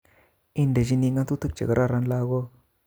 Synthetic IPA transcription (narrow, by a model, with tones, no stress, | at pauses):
i˦nda˨d͡ʒi˦ni˧ŋɡa˦nt̪u˦t̪ə˦k̚t͡ʃə˨ɡə˨ɾa˦˨ɾa˦nla˦ɡo˦